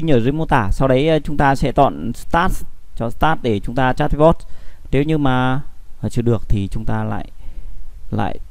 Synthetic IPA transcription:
ɲɨː˧˩zi˧˦mo˧t̪aː˧˩sa˧wɗə˨˦jt͡ɕʊ˨˦ŋ͡mt̪aː˧sɛ̰˧˥t̪ɔ̰˧˨nst̪aː˦˥t̚t͡ɕɔ˧st̪aː˦˥t̚ɗe˧˩t͡ɕʊ˨˦ŋ͡mt̪aː˧t͡ɕaː˦˥t̚vɔ˦˥t̚ne˨˦wɲɨ˧maː˨˩˨t͡ɕɨ˧˩ɗɨ˨˩ək̚t̪ʰi˨˩t͡ɕʊ˨˦ŋ͡mt̪aː˧la̰ː˧˨j | la̰ː˧˨j

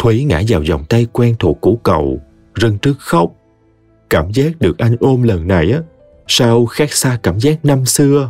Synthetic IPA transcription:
t̪ʰwi˨˦ŋa̰ː˧˥zaː˨˩wzɔ̰˨˩wŋ͡mt̪a˧jkwɛ˧nt̪ʰṵ˧˨˩kːu˧˩kə˨˩w | zə˧ŋt͡ɕɨ˦˥ək̚xə˦˥wk͡p̚ | kaː˧˩mzaː˦˥k̚ɗɨ˨˩ək̚ʔa˧jŋ̟ʔo˧mlə˨˩nːa˨˩jʔaː˨˦ | sa˧wxaː˦˥k̚saː˧kaː˧˩mzaː˦˥k̚na˧msɨ˧ə

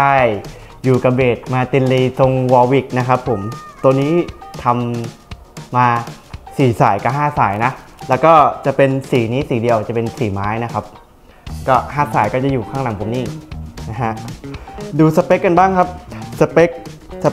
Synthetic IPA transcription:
a˥˩j | juː˨˩ka˧beː˨˩t̪̚maː˧t̪i˧nliː˧so˧ŋwɔː˧wi˨˩k̚na˦˥kʰa˦˥pʰːo˩˦mt̪u˧əniː˦˥t̪ʰa˧mː | aː˧ | siː˨˩saː˩˦jka˧˩ɦaː˥˩saː˩˦jna˦˥lɛː˦˥wkɔː˥˩t͡ɕa˨˩pe˧nsiː˩˦niː˦˥siː˩˦di˧əwt͡ɕa˨˩pe˧nsiː˨˩maː˦˥jna˦˥kʰa˦˥p̚ | kɔː˥˩haː˥˩saː˨˩˦jkɔː˥˩t͡ɕa˨˩juː˨˩kʰaː˥˩ŋla˨˩˦ŋpʰo˨˦niː˥˩na˦˥ɦʰa˦˥ʔ | duː˧sa˧pe˦˥kːa˧nbaː˥˩ŋkʰa˦˥p̚sa˧pe˦˥k̚sa˧

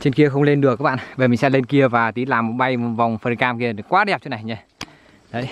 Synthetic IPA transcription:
t͡ɕe˧nki˧əxə˧wŋ͡mle˧nɗɨ˨˩əkaː˦k̚ɓ̰ːɓe˨˩mi˨˩ŋsɛ̰˧˥le˧nki˧əvaː˨˩t̪i˨˦laː˨˩mːo˨˩t̚ɓa˧jmo˨˩va˨˩wŋ͡mfə˧˩nkaː˧mki˧ə˨kwaː˨˦ɗɛ˨˩p̚t͡ɕo˨˦na˨˩jɲaː˧ | ɗə˨˦j

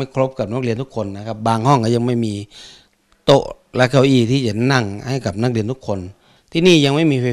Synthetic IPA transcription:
a˥˩jkʰlo˦˥p̚ka˨˩p̚nː˧˦˥k̚li˧ənt̪u˦˥kʰo˧nːa˧˩kʰa˧˥p̚baː˧ŋhɔ˥˩ŋka˧˩ja˧ŋma˥˩jmiː˧ | t̪o˧˥ʔ | lɛ˧˥kʰa˧˩wʔiː˧˩t̪ʰiː˥˩t͡ɕa˧˩˧na˧˥˩ŋha˥˩jka˨˩p̚na˧˥k̚li˧ənt̪u˦˥kʰːo˧n | t̪ʰiː˧niː˧˥˩ja˧ŋma˥˩˨jmiː˧fa˧˩

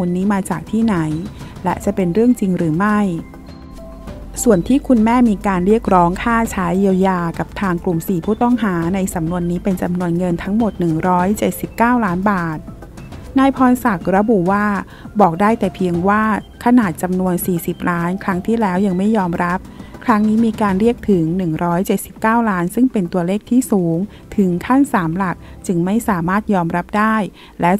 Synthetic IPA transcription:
muː˧nːiː˦˥maː˧t͡ɕaː˨˩k̚t̪ʰiː˥˩na˩˦jlɛ̰˦˥t͡ɕa˨˩pe˧nɾɯ˥˩əŋt͡ɕi˧ŋɾɯː˩˦ma˥˩j | su˨˩ənt̪ʰiː˥˩kʰu˧nmɛː˥˩miː˧kaː˧nɾi˥˩ək̚ɾɔː˦˥ŋkʰaː˥˩t͡ɕʰaː˦˥ji˧əwjaː˧ka˨˩p̚t̪ʰaː˧ŋklu˨˩msiː˨˩pʰuː˥˩t̪ɔ˥˩ŋɦaː˩˦na˧jsa˩˦mnu˧ənːiː˦˥pe˧nt͡ɕa˧mnu˧ənŋɤ˧nt̪ʰa˦˥ŋmo˨˩t̪̚nɯ˨˩ŋɾɔː˦˥jt͡ɕe˨˩t̪̚si˨˩p̚kaː˥˩wlaː˦˥nbaː˨˩t̪̚ | naː˧jpʰɔː˧nsa˨˩k̚ɾa˧bu˨˩waː˥˩ | bɔː˨˩k̚daː˥˩jt̪ɛː˨˩pʰi˧əŋwaː˥˩kʰa˧naː˨˩t̪̚t͡ɕa˧mnu˧ənsiː˨˩si˨˩p̚lʔaː˦˥nkʰɾa˦˥ŋt̪ʰiː˥˩lɛː˦˥wja˧ŋma˥˩jːɔː˧mɾa˦˥p̚kʰɾa˦˥ŋniː˦˥miː˧kaː˧nɾi˥˩ək̚t̪ʰɯ˩˦ŋnɯ˨˩ŋɾɔː˦˥jt͡ɕe˨˩t̪̚si˨˩p̚kaː˥˩wlaː˦˥nsɯ˥˩ŋpe˧nt̪u˧əleː˥˩k̚t̪ʰiː˥˩suː˩˦ŋ | t̪ʰɯ˩˦ŋkʰa˥˩nsaː˩˦mla˨˩k̚t͡ɕɯ˧ŋma˥˩jsaː˩˦maː˥˩t̪̚jɔː˧mɾa˦˥p̚daː˥˩j | lɛː˦˥

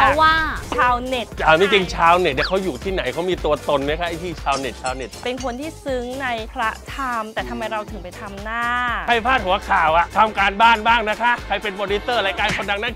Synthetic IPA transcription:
pʰɔ˦˥waː˥˩t͡ɕʰaː˧wne˨˩t̪̚t͡ɕma˥˩t͡ɕi˧ŋt͡ɕʰaː˧wne˨˩t̚na˨˩kʰa˦˥wjuː˨˩t̪ʰiː˥˩na˩˦jkʰa˦˥wmiː˧t̪u˧ɐt̪o˧nma˦˥kʰa˦˥ʔa˧˩jt̪ʰiː˥˩t͡ɕʰaː˧wne˨˩t̪̚t͡ɕʰaː˧wne˨˩t̪̚pe˧nkʰo˧nt̪ʰiː˥˩sɯ˦˥ŋna˧jpʰɾa˦˥t̪ʰa˧mt̪ɛː˨˩t̪ʰa˧mːa˧jɾa˧wt̪ʰɯ˨˩˦ŋpa˧jt̪ʰa˧mnaː˥˩˥kʰa˧˩jpʰaː˥˩t̪̚hu˨˩˦ɐ˦kʰaː˨˩wʔa˨˩ʔt̪ʰa˧mkaː˧nbaː˥˩nbaː˥˩ŋna˦˥kʰa˦˥ʔkʰa˧jpe˧npɔː˧ni˦˥sɤː˥˩ɾaː˧jkaː˧nkʰo˧nda˧ŋna˧˥n

